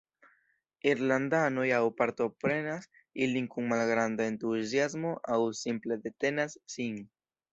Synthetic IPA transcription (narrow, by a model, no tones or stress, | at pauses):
iɾland̪ano̞jawpaɾt̪o̞pɾe̞nas | iliŋkuŋmalɡɾand̪aent̪usjazmo̞ʔawsimple̞d̪e̞t̪e̞nasːiŋ